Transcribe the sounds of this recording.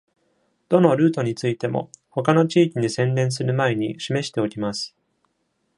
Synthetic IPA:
d̪̥o̞no̞ɾɯ̟ːt̪o̞ɲ̟it͡sɨit̪e̞mo̞̰ho̞kano̞t͡ɕiːkʲiɲisẽ̞nɾẽ̞ɰ̃s̬ɨɾɯ̟mae̞ɲ̟iɕime̞ɕi̥t̪e̞o̞kʲimasɨ̥

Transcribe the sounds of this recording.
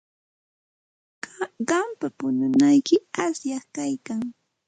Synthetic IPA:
ɢɑmpapʊnʊnajkɪasjɑχkajkaŋ

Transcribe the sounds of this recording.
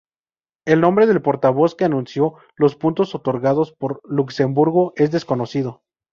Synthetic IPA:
e̞lnõ̞mbɾe̞ðe̞lpo̞ɾt̪aβo̞ske̞anũnsjo̞ | lo̞spunt̪o̞so̞t̪o̞ɾɣað̞o̞spo̞ɾlukse̞mbuɾɣoʔe̞zðe̞sko̞no̞siðo̞

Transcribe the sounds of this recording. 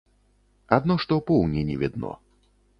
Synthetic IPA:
ad̪nɔʂt̪ɔpɔwnʲinʲɛvʲɛd̪̚nɔ̰

